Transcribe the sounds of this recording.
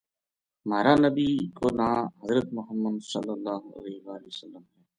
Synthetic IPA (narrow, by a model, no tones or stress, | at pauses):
maːɾaːnəbiːkoːnaːɦəzɾət̪mʊɦəmːənsɐ̰lːəlːaːɦoɐ̰lɛːɦɪʋaːlɪəsəlːəmɦɛː